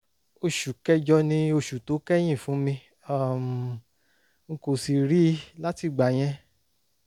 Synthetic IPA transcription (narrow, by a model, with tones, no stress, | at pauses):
o˧ʃu˨kɛ˦d͡ʒɔ˧nĩ˧o˧ʃu˨to˨˦kɛ˦j̃ĩ˦˨fũ˨˦mĩ˧ | a˦˨m˨ | ŋ̩˦ko˨si˧ɾi˦la˦ti˧˨ɡ͡ba˨j̃ɛ̃˧